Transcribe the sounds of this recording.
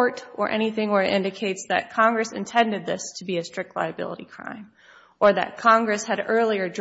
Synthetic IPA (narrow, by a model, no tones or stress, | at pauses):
ɹɾə˞ʔɛ̰ɾ̃iθɪ̃ŋə˞ʔɪ̰̃ndɨkʰeɪtsðɨ̰t̚kʰɑ̃ŋɡɹɨsɨ̰̃ntʰɛ̃ndɨd̪̚ðɪstʰəbiɨstɹ̥ɪk̚tʰˡla̰ɪɨbɪ̰lˠə̰ɾḭkʰɹ̥ã̰ɪ̃m | ə˞ðɨ̰t̚kʰɑ̃ŋɡɹɨshɨɾɜ˞lˠiə˞d